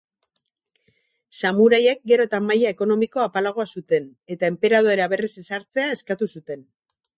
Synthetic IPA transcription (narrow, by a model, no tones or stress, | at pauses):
samuɾaje̞k̚ɡe̞ɾo̞t̪amːajae̞ko̞no̞miko̞apalaɣ̞o̞asut̪e̞ne̞t̪ae̞mpe̞ɾað̞o̞eaβ̞e̞risesaɾt͡se̞ae̞skat̪usut̪e̞n